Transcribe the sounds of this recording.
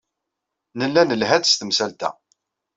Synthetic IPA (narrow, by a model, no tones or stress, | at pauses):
nəlːænəlɦæd̪st̪əmsælt̪æ̰